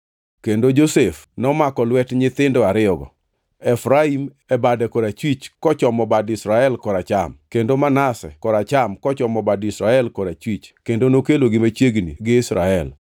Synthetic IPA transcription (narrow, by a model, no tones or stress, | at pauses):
kendod͡ʒosefnɔmakɔlwɛtɲɪt̪ɪndɔaɾɪɔɡɔ̰ | ɛfɾaim | ɛbadɛkoɾat͡ʃwit͡ʃkɔt͡ʃɔmɔbadɪsɾaɛlkɔɾat͡ʃa̰mkendomanasɛ̰kɔɾat͡ʃamkɔt͡ʃɔmɔbadɪsɾaɛlkɔɾat͡ʃwit͡ʃkendonokeloɡɪmat͡ʃjeɡnḭɡɪɪsɾa̰ɛl